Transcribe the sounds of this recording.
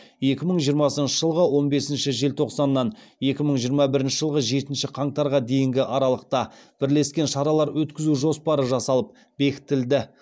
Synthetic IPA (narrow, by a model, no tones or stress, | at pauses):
je̞kʲɪməɴʒijəɾmɑsənʃəʒəlˠʁəwo̞nbe̞sɪnʃɪʒe̞lt̪ʰo̞qsɑnːɑnje̞kʲɪməɴʒijəɾmɑbɪɾɪnʃɪʒəlˠʁəʒe̞t̪ɪnʃɪqʰɑɴt̪ɑɾʁɑd̪e̞jɪŋɡʲɪʔɑɾɑlˠəq̚t̪ɑb̥ɪɾle̞skʲe̞nʃɑɾɑlˠɑɾwɵt̪kʲɪzuʒo̞spɑɾəʒɑsɑlˠəp̚ | be̞kʲɪ̥t̪ɪld̪ɪ